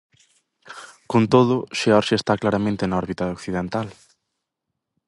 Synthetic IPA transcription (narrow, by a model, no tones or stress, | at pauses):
kont̪oðʊʃeɔɾʃest̪aklaɾamẽnt̪enaɔɾβit̪ɐokθiðent̪al